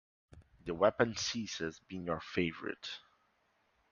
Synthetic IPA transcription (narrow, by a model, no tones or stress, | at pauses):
ðəwɛpə̃nsisɛzbĩŋjəɹfeɪvə̰ɹɪ̰t